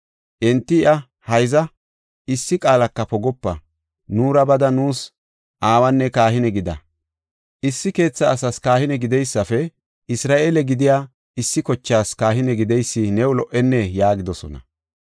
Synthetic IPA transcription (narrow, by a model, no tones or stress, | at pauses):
ʔɛnt̪ːɪɪʔɐ | hɐjzɐ | ɪsːɪkʼaːlɐkːɐpɔɡɔpːɐ | nuːɾɐbɐd̪ɐnuːs | ʔaːwɐnːɛkaːɦɪnɛɡɪd̪ɐ | ʔɪsːɪke̞ːt͡sːɐːsɐskaːhɪnɛɡɪd̪ɛjsːɐfɛ | ʔɪsɾaːʔeːlɛɡɪd̪ɪjaː | ɪsːɪkɔt͡ʃːaːskaːɦɪnɛɡɪd̪ɛjsːɪnɛwʊlɔʔɛnːɛjaːɡɪd̪ɔsɔ̰nɐ̰